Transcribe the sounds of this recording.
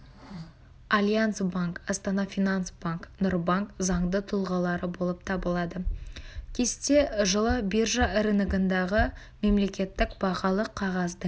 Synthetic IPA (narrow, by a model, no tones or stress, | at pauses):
alʲjant̪sbaŋkɑst̪ɑnɑfijnansbaŋknʊɾbaŋkzɑɴd̪ət̪ʰʊlˠʁɑlˠɑɾəbo̞lˠəp̚t̪ʰɑbəlˠɑd̪əkʲʰe̞st̪e̞ʒəlˠəbiʒaɪɾɪnɪɡənd̪ɑʁə | me̞mle̞kʲe̞t̪ːɪkbɑʁɑlˠəqʰːɑʁɑzd̪ə